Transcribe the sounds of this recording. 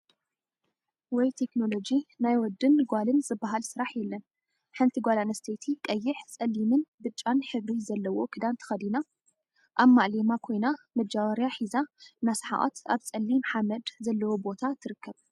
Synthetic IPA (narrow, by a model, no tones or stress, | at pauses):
wɔjt̪ʰe̞kno̞lo̞d͡ʒinajwɔd̪ːɨnɡʷalɨnzɨbːaɦalsɨɾaħjɛlːɐn | ħɨnt̪ʰiɡʷalanɐst̪ʰet̪ʰikʼɐjːɪħt͡sʼɐlːimɨnbɨt͡ʃʼːanħɨβɾizɐlːɐwo̞kʰɨd̪ant̪ʰɨ̥xɐd̪ina | ʔaβmaʔlemakʰo̞jnamɐd͡ʒaβɐɾjaħizanasħa̰ʔo̰t̪aβt͡sʼɐlːimħamɐd̪zɐlːɐwobo̞t̪ʰat̪ʰɨɾɨkʰːɐβ